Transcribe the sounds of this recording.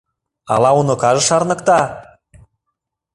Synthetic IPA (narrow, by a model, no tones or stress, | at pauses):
ɑ̰lɑunokɑʒɤ̆ʃɑrnɤ̆kt̪ɑ